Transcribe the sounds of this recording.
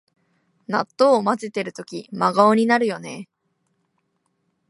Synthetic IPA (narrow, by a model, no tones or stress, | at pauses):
na̰t̪ːo̞ːmat͡sit̪e̞ɾɯ̟t̪o̞kʲimaɡaoɲ̟inaɾɯ̟jo̞ne̞